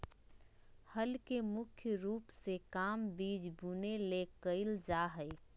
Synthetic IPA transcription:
hɐlkemʊkʰjəɾuːpsekaːmbiːd͡ʒbunelekəɪld͡ʒaːɦə

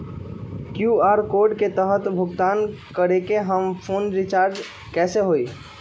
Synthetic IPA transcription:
kjuaːɾkoɾɖket̪əɦət̪bʱʊɡt̪aːnkəɾekeɦəmpʰoːnɾit͡ʃaːɾɖ | kɛːseɦoi

